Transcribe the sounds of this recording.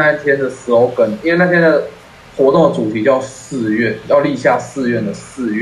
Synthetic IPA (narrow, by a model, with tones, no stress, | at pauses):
a˥˩nt̪ʰjɛ˥nd̪ə˨ʂ̩˧˥xo˧ʊkə˨˩ni˥nwe˥˧na˥˧t̪ʰjɛ˥nd̪ə˨˩ | xwɔ˧˥t̪ʊ˥˩ŋd̪ə˩t͡su˨˩t̪ʰi˧˦˥t͡ɕjɑ˥˧ʊsɹ̩˥˧ɥɛ˥˩njɑ˥˧ʊli˥˧ɕja˥˧sɹ̩˥˧ɥɛ˥˩nd̪ə˩sɹ̩˥˧ɥɛ˥˩